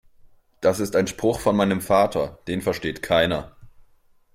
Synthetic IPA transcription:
d̥asɪstaɪnʃpʁ̥ʊxfɔnmaɪnəmfaːtʰɐd̥eːnfɛɐʃteːtkʰaɪnɐ

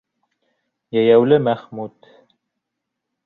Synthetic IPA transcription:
jæjæwlɘmæχmut̪

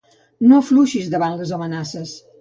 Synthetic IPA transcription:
nofluʃizd̪əβanləzomənasəs

